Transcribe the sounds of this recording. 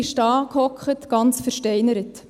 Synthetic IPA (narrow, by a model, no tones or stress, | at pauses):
iʃtɑːkʰhɔkχətɡ̥ɑnt͡sfəɾʃtɛɪnəɾət